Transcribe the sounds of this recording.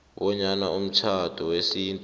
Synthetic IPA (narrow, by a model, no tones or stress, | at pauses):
ɓɔɲanaum̩t͡ʃʰatʰuwesintʼ